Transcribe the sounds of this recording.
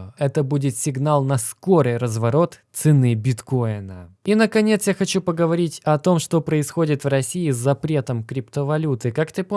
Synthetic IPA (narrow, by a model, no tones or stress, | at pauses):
ɛt̪əbudʲɪt̪sʲɪɡnalˠnɐskoɾɨjɾəzvɐɾo̞t̪t̪sɨnɨbʲɪt̪ko̞ɪnə̰inəkɐnʲe̞t̪sjaxɐt͡ɕupəɡəvɐɾʲitʲɐt̪o̞mʂt̪o̞pɾəɪsxo̞dʲɪt̪vrɐsʲiɪzːɐpɾʲe̞t̪əmkɾʲɪpt̪əvɐlʲut̪ɨkakt̪ɨp